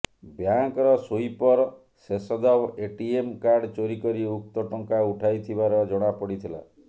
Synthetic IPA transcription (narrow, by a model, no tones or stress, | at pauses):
bjaŋkɔɾɔsoipɔɾ | sesɔd̪abeʈiemkaɾɖt͡ʃoɾikɔɾiuk̚t̪ɔʈɔŋkauʈʰajt̪ʰibaɾɔd͡ʒɔɽ̃apɔɽit̪ʰila̰